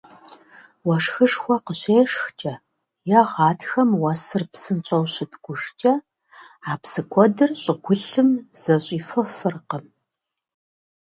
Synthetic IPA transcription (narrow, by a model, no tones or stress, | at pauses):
wɐʂxɨʂxʷɔqəɕeːʂxt͡ʃʼɐ | jɐʁɑːtxɐmwɐsɨrpsɨnt͡ʃʼɐwɕɪtʰɡʷʊʂt͡ʃʼɐ | aːpsɨkʷʰɔdɨrɕʼɪɡʷʊɬɨmz̥ɐɕʼiːfɨfɨrqəm